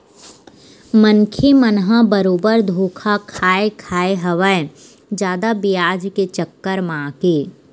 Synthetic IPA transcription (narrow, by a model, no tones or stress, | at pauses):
mənkʰemənɦãbəɾoːbəɾd̪ʱoːkʰakʰaːekʰaːeɦəʋə | d͡ʒjaːd̪abijaːd͡ʒket͡ʃəkːəɾmãːkeː